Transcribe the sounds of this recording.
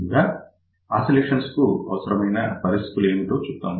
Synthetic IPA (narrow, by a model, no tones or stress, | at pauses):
ɡaː | aːsileːʂɐnskuɐʋɐsɐɾɐmɐjnɐpɐɾist̪ʰi̥t̪ule̞ːmiʈoːt͡ʃupt̪aːnd̪i